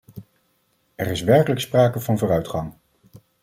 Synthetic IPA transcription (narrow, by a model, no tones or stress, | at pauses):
ɛɹɪsʋɛɹkələkspraːkəvɑnvoːɾœɥtχɑŋ